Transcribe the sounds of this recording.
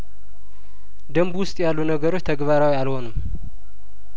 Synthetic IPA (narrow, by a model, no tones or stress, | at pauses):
d̪əmbwʊst̪ʼjalːunəɡəɾot͡ʃːt̪ʰəɡβaɾawialho̞nɨm